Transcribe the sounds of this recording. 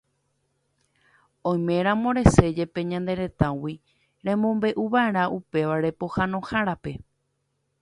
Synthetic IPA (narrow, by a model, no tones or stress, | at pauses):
õj̃mẽ̞ɾ̃ãmõ̞ɾe̞se̞d͡ʒe̞pẽ̞ɲãnd̪e̞ɾe̞t̪ãwi | ɾẽ̞mõ̞mbe̞ʔuʋae̞ɾ̃ãʔupe̞ʋaɾe̞po̞hanõ̞haɾape̞